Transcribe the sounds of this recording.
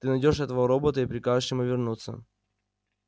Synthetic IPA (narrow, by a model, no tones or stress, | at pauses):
t̪ɨnɐjdʲo̞ʂɛt̪əvəɾobət̪əipɾʲɪkaʐɨʂjɪmuvʲɪrnut̪sə̰